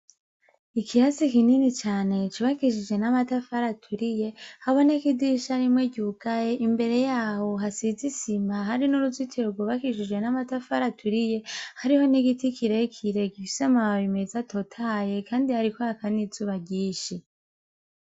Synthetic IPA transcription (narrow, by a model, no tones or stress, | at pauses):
ikʰiɾasikininit͡ʃaːne̞t͡ʃuβakiʃid͡ʒwe̞namatafaɾatʰuɾije̞haβo̞nekidiʃaɾimŋeɟuɡaje̞ʔimbe̞ɾe̞jaːho̞ɦasizisimaɦaɾinuɾuzitʰiɾoɡwoβakiʃid͡ʒɡwe̞namatafaɾatʰuɾije̞haɾiho̞niɡitikiɾekʰiɾe̞ɡifi̥samaaβime̞zatʰo̞tʰaje̞kaːndihaɾikohakanizuβaɟiːʃi